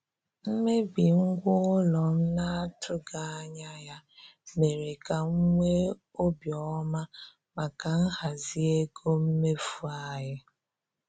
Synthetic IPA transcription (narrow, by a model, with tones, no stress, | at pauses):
m̩˦me˦bi˨ŋ̩˦ɡʷʊ˦ʊ˦lɔ˨m̩˦na˦a˦tʰʊ˦ɡa˨˦ɲa˦ja˦me˨ɾe˨ka˨ŋ̩˦ŋʷe˦ | o˦bjɔ˨˦ma˦ | ma˨ka˨n̩˦ha˨zi˦e˦ɡo˦m̩˦me˦fu˦a˦˨ɦɪ˦